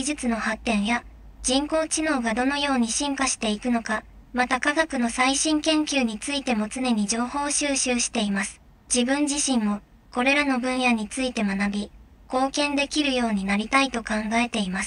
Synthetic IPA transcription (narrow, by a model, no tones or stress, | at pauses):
iʑɨt͡sɨno̞hat̪ːẽ̞ɰ̃ja | d͡ʑĩŋko̞ːt͡ɕino̞ːɡad̪o̞no̞jo̞ːɲ̟iɕĩŋkaɕi̥t̪e̞ikɯ̟no̞ka | mat̪akaɡakɯ̟no̞saiɕĩŋkẽ̞ŋkʲɨːɲ̟it͡sɨit̪e̞mo̞t͡sɨne̞ɲ̟id͡ʑo̞ːho̞ːɕɨːɕɨːɕi̥t̪e̞imasɨ̥ | d͡ʑibɯ̟̃ɲd͡ʑiɕĩmmo̞ | ko̞ɾe̞ɾano̞bɯ̟̃ɰ̃jaɲ̟it͡sɨit̪e̞manabʲi | ko̞ːkẽ̞nd̪e̞kʲiɾɯ̟jo̞ːɲ̟inaɾʲit̪ait̪o̞kãŋɡae̞t̪e̞imas